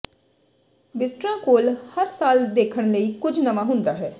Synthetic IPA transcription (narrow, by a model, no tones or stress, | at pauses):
bɪsʈɾãːkoːlhəɾsaːld̪eːkʰəɽ̃ləiːkʊd͡ʒnəʋaɦʊ̃nd̪aːɦɛː